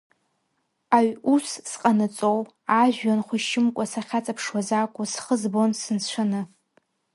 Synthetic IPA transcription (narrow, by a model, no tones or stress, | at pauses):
aɥussqʼanɨt͡sʼow | aʒᶣanχʷʊʃɪmkʷʼasaχʲat͡sʼapʰʂwazakʷʼʊsχəzbonsɨnt͡ɕʷʰanɨ